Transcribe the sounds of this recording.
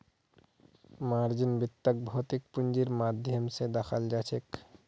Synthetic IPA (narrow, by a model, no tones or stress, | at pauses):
maɾd͡ʒinbit̪ːək̚bʱot̪ik̚pund͡ʒiɾmad̪ʱjəmsed̪axʰald͡ʒat͡ʃʰek